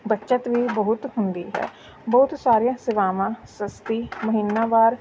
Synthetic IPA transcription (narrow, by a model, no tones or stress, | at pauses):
bətːʃət̪ʋiːbəɦʊt̪hʊnd̪ḭːɦɛ̰ː | bɔɦʊt̪saːɾijãːsɪʋaːmãːsəst̪iːməɦinːaːʋaːɾ